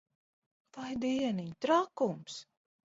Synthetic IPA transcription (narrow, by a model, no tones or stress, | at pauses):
vajd̪iɛnit̪ɾakums